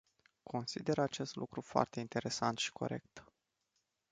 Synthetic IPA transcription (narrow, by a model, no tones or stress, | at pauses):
kʰo̞nsid̪e̞ɾat͡ʃe̞st̪lʔṵkɾufoa̰rt̪e̞int̪e̞ɾe̞sant̪ʃi̥kʰo̞̰ɾʔe̞̰kt̪